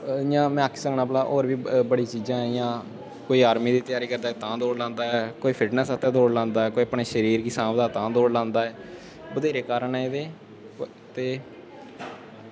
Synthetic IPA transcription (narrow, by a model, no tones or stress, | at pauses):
jãːmɛ̃ːkʰːsəŋnãːpəlaːʔoːɾʋiːbəɽiːt͡ʃiːzãːɛ̃jãː | koːiːaːɾmĩːd̪iːt̪jaːɾiːkəɾd̪aːɛːt̪ãːd̪oːɽlãːnd̪aːɛːkoːiːpʰɪʈnəsət̪ʰẽːd̪oːɽlãːnd̪aːɛːkoːiəpɳeːʃəɾiːɾɡɪsãːbd̪aːt̪ãːd̪oːɽlãːnd̪aːɛː | bəd̪eːɾeːkaːɾəɳɛd̪eː | t̪eː